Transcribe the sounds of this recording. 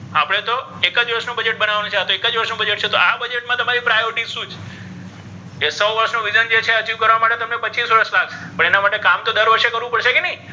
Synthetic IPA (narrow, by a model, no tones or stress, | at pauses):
a̰pəɽ̃et̪o | ekəd͡ʒʋəɾʃnũbəd͡ʒeʈ̚bənaʋanũt͡ʃʰeat̪oekəd͡ʒʋəɾʃnũbəd͡ʒeʈt͡ʃʰet̪oʔabəd͡ʒeʈ̚mãt̪əmaɾipɾajoɾɪʈiʃũt͡ʃʰ | esəwʋəɾəʃnuʋid͡ʒənd͡ʒet͡ʃʰeət͡ʃiʋkəɾʋamaʈet̪əmnepəːt͡ʃisʋəɾəslakpəɳ̃enamaʈekamt̪od̪əɾʋəɾʃekəɾʋũpəɽʃekenəĩ